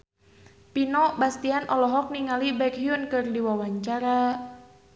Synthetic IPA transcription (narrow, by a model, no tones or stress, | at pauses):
pinɔbast̪ianʔɔlɔɦɔk̚niŋalibɛkɦiunkɨrdiwawaɲt͡ʃaɾa